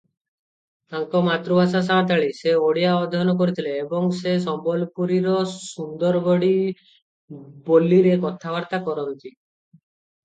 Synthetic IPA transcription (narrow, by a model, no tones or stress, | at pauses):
t̪aŋkɔmat̪ɾubʱasas̬at̪̬aɭiseoɽijaɔd̪ʱɔnɔkɔɾit̪ʰileːbɔŋsesɔmbɔlpuɾiɾɔsund̪ɔɾbɔɽi | bolːiɾekɔt̪ʰaʋaɾt̪akɔɾɔnt̪i